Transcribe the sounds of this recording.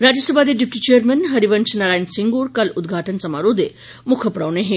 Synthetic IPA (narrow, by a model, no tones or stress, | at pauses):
ɾad͡ʑəsəbʱad̪eɖip̚ʈit͡ʃejəɾmenɦɐɾiʋənt͡ʃʰnaɾaːjnsiŋɡuːɾkɐlud̪ɡʱaːʈənt͡sɐmaɾod̪e | mukʰəpɾawneɦe